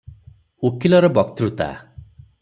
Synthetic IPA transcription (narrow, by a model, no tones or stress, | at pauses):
okʰilɔɾɔbɔkt̪ɾut̪a̰